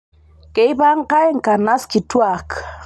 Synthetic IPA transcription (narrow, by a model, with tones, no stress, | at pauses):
ke˨i˦ba˦ŋka˦ɛ˦ŋ̩˨ka˨na˦ski˨twa˨k